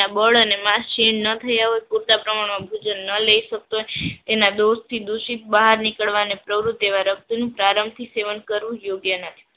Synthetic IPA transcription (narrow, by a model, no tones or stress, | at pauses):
abəɭənemaʃinnət̪ʰəjaɦojpuɾt̪apɾəmaɳmãbʱud͡ʒənːələiʃək̚t̪oɦet̪enad̪oʃt̪ʰid̪uʃit̪̚bəɦaɾnikəɭʋanepɾəʋɾut̪ːeʋaɾək̚t̪inũpɾaɾəmbt̪ʰiseʋənkəɾʋũjoɡjənət̪ʰi̥